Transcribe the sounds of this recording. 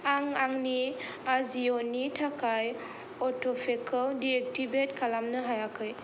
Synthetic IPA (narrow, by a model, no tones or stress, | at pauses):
aŋaŋni | azionitʰakʰaj | ɔtʰɔpʰekʰɔdiek̚tibetkʰalamnɯɦajakʰɯj